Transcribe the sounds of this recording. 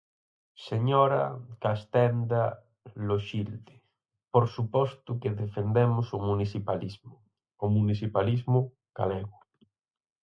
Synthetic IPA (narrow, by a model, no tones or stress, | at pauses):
seɲoɾakast̪ɛnd̪a | loʃild̪e | poɾsupost̪ukeðefend̪emosomunisipalizmo | omunisipalizmu | ɡ̥a̰leɣu